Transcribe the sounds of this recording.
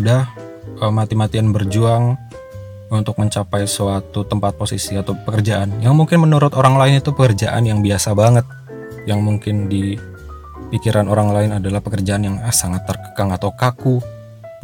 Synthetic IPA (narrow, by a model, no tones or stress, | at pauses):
sudah | əmat̪imat̪ianbərd͡ʒuaŋ | unt̪ʊk̚məɲt͡ʃapajsəwat̪ut̪əmpat̪̚posisiat̪awpəkərd͡ʒaʔanjaŋmuŋkɪnmənuɾʊt̪oɾaŋlaɪnit̪upəkərd͡ʒaʔa̰njaŋbiasabaŋət̪̚ | jaŋmuŋkɪndi | pikiɾʔanoɾaŋlaɪnadalahpəkərd͡ʒaanjaŋsaŋat̪ːərkə̥kaŋat̪awkaku